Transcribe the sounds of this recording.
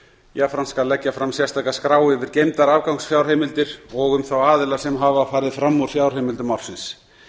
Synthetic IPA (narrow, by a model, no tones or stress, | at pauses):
jafɾanskalɛcːafɾamsjɛst̪ʰaːkaskɾaːwɪvɪɾ̥cejmt̪aɾavkawŋsfjawɾ̥ɦejmɪlt̪ɪɾɔɣʏmθawaːðɪlḁsɛmɦavafaːɾɪðfɾamːɔɾ̥fjawɾr̥ejmɪlt̪ʏmawɾ̥sɪns